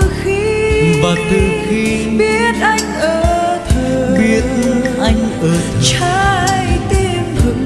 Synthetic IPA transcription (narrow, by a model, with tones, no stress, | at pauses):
xi˧vaː˨˩t̪ɨ˨˩xi˧ | ɓi˧˦˥ət̚ʔa˧jŋ̟ʔəː˧˩˧t̪ʰɓi˧ət̚n˧ʔa˧jŋ̟ʔəː˨˩t͡ɕaː˧jt̪i˧mt̪ʰɨ˨˩k̚